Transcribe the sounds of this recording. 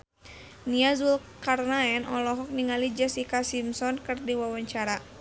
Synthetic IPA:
niazulkarnaɛnɔlɔɦɔk̚niŋalid͡ʒasikasimsɔnkɨrdiwawaɲt͡ʃaɾa

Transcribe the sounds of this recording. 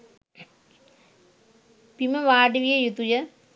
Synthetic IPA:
pimɐʋaːɖiʋijɐjut̪ujɐ

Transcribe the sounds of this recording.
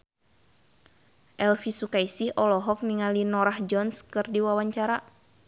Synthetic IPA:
ʔɛlfisukaisihɔlɔɦɔk̚niŋalinɔɾahd͡ʒɔnskɨrdiwawaɲt͡ʃaɾa

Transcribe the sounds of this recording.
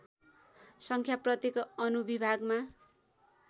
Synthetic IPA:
sʌŋkʰjaprʌt̪ekʌʌnubibʱaɡma

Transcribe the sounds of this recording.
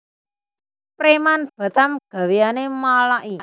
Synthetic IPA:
pɾemanb̥a̤t̪amɡ̥a̤wejanemalaʔi

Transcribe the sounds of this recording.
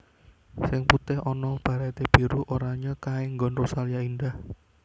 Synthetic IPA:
sɪŋput̪ɪhɔnɔb̥a̤ɾat̪eb̥i̤ɾuʔoɾaɲakaɪŋɡɔnrosalijaindah

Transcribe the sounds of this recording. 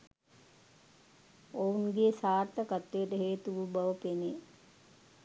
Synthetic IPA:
ounɡeːsaːrt̪əkat̪ːejəʈəɦeːt̪uʋubaʋəpene

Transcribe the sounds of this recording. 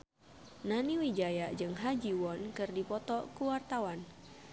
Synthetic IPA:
naniwid͡ʒajaʔd͡ʒɨŋɦad͡ʒiwɔnkɨrdipɔt̪ɔkuwart̪awan

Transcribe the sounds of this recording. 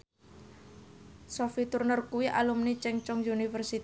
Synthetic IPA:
sɔfit̪urnərkuwiʔalumnit͡ʃɛŋt͡ʃɔŋjunifərsit̪

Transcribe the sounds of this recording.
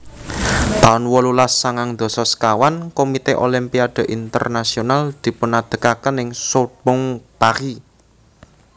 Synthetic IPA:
t̪aʊnwɔlulasːaŋaŋd̪̥ɔ̤sɔskawankomit̪eʔolimpiaɖ̪̥ɔ̤ʔint̪ə̰rnasionald̪̥i̤pənad̪̥ə̤kakənɪŋsob̥ʊŋpaɾi

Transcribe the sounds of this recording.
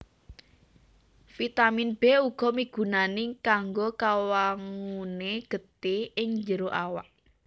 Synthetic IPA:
fit̪aminb̥ɛuɡ̥ɔ̤miɡ̥ṳnanɪkaŋɡokawaŋuneɡ̥ə̤t̪eɪŋɲd͡ʒəɾoʔawa̰ʔ

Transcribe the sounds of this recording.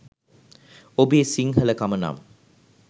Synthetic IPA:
obiesiŋɦɐləkamɐna̰ːm

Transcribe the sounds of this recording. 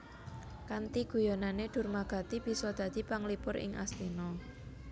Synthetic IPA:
kant̪iɡ̥ṳjɔnaneɖ̪̥ʊ̤rmaɡ̥a̤t̪ib̥i̤sɔd̪̥ä̤d̪̥i̤paŋlipʊɾʔɪ̰ŋʔa̰slinɔ

